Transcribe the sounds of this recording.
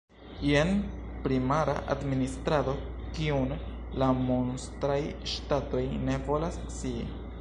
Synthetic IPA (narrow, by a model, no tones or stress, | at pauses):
jenpɾimaɾa̰ʔa̰dminist̪ɾado̞ | kiun | lamonst̪ɾajʃtato̞jne̞vo̞las | si